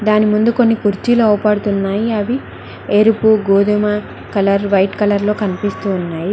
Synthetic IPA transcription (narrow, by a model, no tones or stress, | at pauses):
d̪aːnimund̪uko̞nːikuɾt͡ʃiluɔːpaːɽut̪unːaːjiɐʋi | eɾupuɡoːd̪umɐ | kɐlɐɾʋɐjʈkɐlɐɾlo̞ːkɐnipist̪uːnːaːji